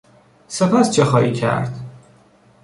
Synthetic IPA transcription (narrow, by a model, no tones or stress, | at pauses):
sepʰæst͡ʃʰexɒːiːcʰæ̰ɾd̪̥